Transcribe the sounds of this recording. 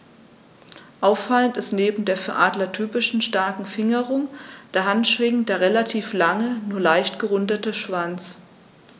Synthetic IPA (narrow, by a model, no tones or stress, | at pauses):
ʔaʊfːaləntɪstneːbm̩deːɐfyːɐʔaːdlɐtʰyːpɪʃn̩ʃtaɐkŋ̩fɪŋəʁʊŋd̥aɐɦantʃv̥ɪŋd̥eːɐʁelatʰiːflaŋənuːɐlaɪçtɡ̥əʁʊndɐtəʃv̥ant͡s